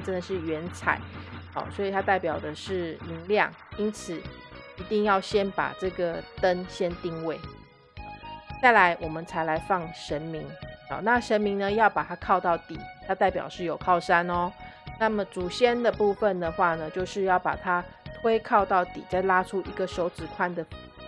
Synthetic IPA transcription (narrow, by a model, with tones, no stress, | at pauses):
ʈ͡ʂə˦nd̪ə˨ʂɻ̩˥˩ɥɛ˧˦˥nt͡sʰa̰˨˩˦ɪhɔ̰˨˦swɔ˧˥i˨˩t̪ʰa˥t̪a˥˩ɪpjɑ˨˩ʊd̪ə˩ʂɻ̩˥˩mi˨˧˥ŋljɑ̰˥˩ŋ | i˥nt͡sʰɹ̩˨˩i˧˥t̪i˥˧ŋjɑ˥˩ʊɕjɛ˦˥npa̰˨˩ʈ͡ʂɤ˥˩ɡə˩t̪ə˦nɕjɛ˥nt̪i˥˧ŋwe˥˩ɪ | t͡sa˥˩ɪla˧˦ɪwɔ˨˩mə˦nt͡sʰa˧˥ɪla˧˥ɪfɑ˥˩ŋʂə˧˥nmi˧˦ŋɑ̰˨˩˦na˥˩ʂə˧˦nmi˧˥ŋnə˧jɑ˥˩ʊpa˨˩t̪ʰa˥kʰɑ˥˧ʊt̪ɑ˥˩ʊt̪i˨˩t̪ʰa˥t̪a˥˩ɪpjɑ̰˨˩ʊʂɻ̩˥˩jo˨˩ʊkʰɑ˥˩ʊʂa˥nɔ˦na˥˩mə˨˩ʈ͡ʂu˨˩ɕjɛ˥nd̪ə˨pu˥˧fə˨nd̪ə˩xwa˥˩nə˩t͡ɕjo˥˧ʊʂɻ̩˥˧jɑ˥˩ʊpa̰˨˩t̪ʰa˦t̪ʰwe˥ɪkʰɑ˥˧ʊt̪ɑ˥˩ʊt̪ḭ˨˩t͡sa˥˩ɪla˥ʈ͡ʂʰu˥ʔi˧˥ɡə˨ʂo˧˥ʊt͡sɹ̩˨˩kʰwa˥nd̪ə˨